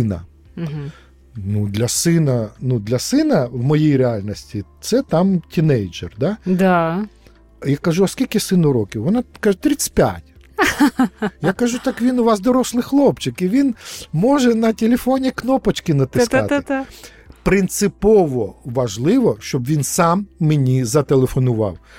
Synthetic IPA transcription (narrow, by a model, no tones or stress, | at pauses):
nɐ̰ | nud̪lʲɐsɪnɐnud̪lʲɐsɪnɐʋmɔjejɾeɑlʲnɔsʲtʲit̪sɛt̪ɑmtʲʰinɛjd͡ʒɛrd̪ɑd̪a | jakɐʒuɐskʲilʲkɪsɪnʊɾɔkʲɪwʋɔnɑkɐʒɛt̪ɾʲit̪sɨ̥tʲpʲja̰tʲ | jakɐʒut̪ɑkʋʲinʊʋɑzd̪ɔɾɔslˠɪxlˠɔpt͡ʃɪkiʋʲinmɔʒɛnɐtʲelʲefɔnʲiknɔpɐt͡ʃkɪnɐt̪ɪsk̪ɑ̰t̪ɪ | pɾɪnt̪sɪpɔʋɔʋɐʒlˠɪʋɔʃt͡ʃɔbʋʲinsɑmːenʲizɐt̪elˠefɔnʊʋɑ̰w